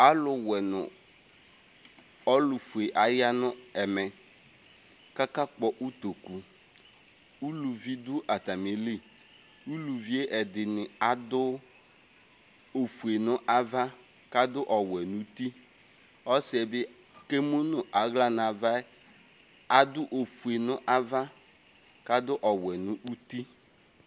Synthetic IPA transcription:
a˨lʊ˨wɛ˨nʊ̰̃˨ | ɔ˦lʊ˨fu˨e˨ʔa˨ja˦nʊ̃˦ɛ˨mɛ˨ | ka˦ka˦k͡pɔ˨ʔu˦t̪o˨ku˨ | u˦lu˨vi˦d̪ʊ˦ʔa˨t̪a˨mi˨li˦ | u˦lu˨vi˦e˦ʔɛ˨d̪ɪ˨nɪ˨a˨d̪ʊ˦ | o˨fu˨e˨nʊ̃˦ʔa˦va˦ | ka˦dʊ˦ʔɔ˨wɛ˨nũ˨t̪i˦ | ɔ˦sɪ˨ɛ˨bɪ˦ | ke˦mu˦nʊ̃˨ʔa˨˦ɣla˦na˨va˦ | a˨dʊ˦ʔo˨fu˨e˨nʊ̃˦ʔa˦va˦ | ka˦d̪ʊ˦ʔɔ˨wɛ˨nʊ̃˦u˦t̪i˦

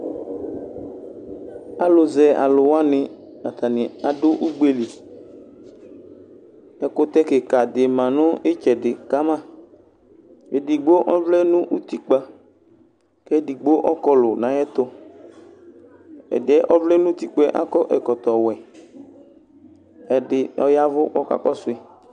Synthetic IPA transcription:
a˨lʊ˨zɛ˨a̰˨lʊ˨wa˦nɪ̃˨ | a˨t̪a˨nɪ̃˨a˨dʊ˦ʔu˦ɡ͡be˦li˨ | ɛ˨kʊ˦t̪ɛ˦ke˨ka˨d̪ɪ˨mã˨nʊ̃˦e˦t͡ʃɛ˨ɖɪ˨ka˦mã˦ | e˨di˨ɡ͡bo˦ʔɔ˦vlɛ˦nʊ̃˦ʔu˦t̪i˦k͡pa˨ | kɛ˦di˨ɡ͡bo˦ʔɔ˦kɔ˦lʊ˨nã˨˦jɛ˦t̪ʊ˦ | ɛ̰˨dɪ˨ɛ˦ʔɔ˦vlɛ˦nʊ̃˦t̪i˦k͡pɛ˦ʔa̰˦kɔ˦ʔɛ˨kɔ˨t̪ɔ˨wɛ˨ | ɛ˨dɪ˨ɔ̰˦ja˦vʊ˦ʔɔ˦ka̰˦kɔ˦sʊ˦ɛ˦

